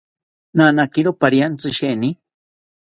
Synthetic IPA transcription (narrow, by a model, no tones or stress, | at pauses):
nanakiɾopaɾjant͡sɨʃeni